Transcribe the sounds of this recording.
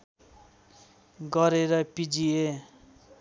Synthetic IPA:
ɡʌɾeɾʌpid͡zie

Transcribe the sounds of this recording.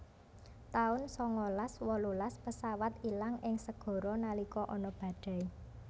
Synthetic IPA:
t̪aʊnsɔŋɔlaswɔlulaspəsawat̪ilaŋɪŋsəɡ̥ɔ̤ɾɔnalikɔʔɔnɔb̥ä̤ɖ̪̥a̤i

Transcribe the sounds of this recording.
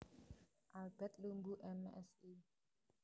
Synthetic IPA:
ʔalbɛt̪̚lumbuʔɛmɛ̰si

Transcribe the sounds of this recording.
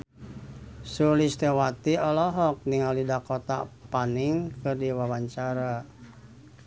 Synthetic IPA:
sulist̪ɛwat̪iɔlɔɦɔk̚niŋalidakɔt̪a̰paniŋkɨrdiwawaɲt͡ʃaɾa

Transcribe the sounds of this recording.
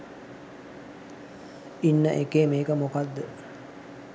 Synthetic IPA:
inːəʔekeːmeːkəmokad̪ːə

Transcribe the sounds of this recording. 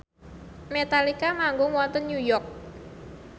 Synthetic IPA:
met̪alikamaŋɡʊŋwɔnt̪ənɲujɔk̚

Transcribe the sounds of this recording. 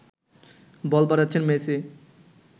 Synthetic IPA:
bɔlbaɾatːɕʰenmese

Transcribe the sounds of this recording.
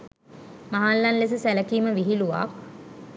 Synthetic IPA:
maɦalːanles̬əsæləkiːməʋiɦiluʋa̰k̚

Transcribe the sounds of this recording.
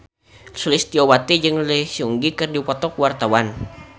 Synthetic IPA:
sulɪst̪iowat̪id͡ʒɨŋləhsiuŋɡikɨrdipɔt̪ɔkuwart̪awan

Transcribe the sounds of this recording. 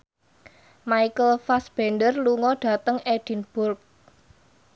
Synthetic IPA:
maikəlfasb̥ɛndərluŋɔɖ̥a̤t̪əŋed̥i̤nb̥ʊrk̚

